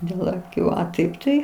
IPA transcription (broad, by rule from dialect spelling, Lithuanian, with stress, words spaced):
dʲeːlˠ ɐˈkʲuː ɐ ˈtɐɪp tɐɪ